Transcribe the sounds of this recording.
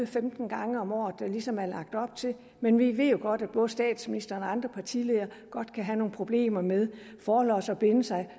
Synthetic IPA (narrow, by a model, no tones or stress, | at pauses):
femd̥n̩ɡ̥ɑ̈ŋəɒ̽mɒ̰ːð̩ˠd̥ælisɒ̽mæɐlɑ̈ɡ̥̚d̥ɒ̽b̥̚t͡sʰe̝l | menʋiʋe̝ð̰ˠjo̝ɡ̥ɒ̽d̥æd̥b̥ɔ̽ːð̞̩ˠəsd̥ɛ̰ːd̥sminisd̥ɐnɒɑ̈nd̥ʁɐpʰɑ̈t͡sʰḭle̝ðˠɐ | ɡ̥ɒ̽d̥kʰæɦæno̝ːŋ̩pʰʁo̝b̥le̝̰ːmɐmeðˠ | fɒːlɒ̰sɒ̽b̥e̝nəsɑ̈ɪ